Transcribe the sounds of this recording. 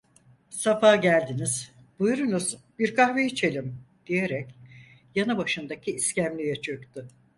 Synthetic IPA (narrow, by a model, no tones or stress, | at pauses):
safaɟælʲd̪iniz̥ | b̥ujɾunuz̥biɾkʰahveit͡ʃʰe̞lʲim | d̪̥ije̞ɾɛc | janɯbaʃɯnd̪acʰiːscæmlʲyjɛt͡ʃʰøkt̪ʊ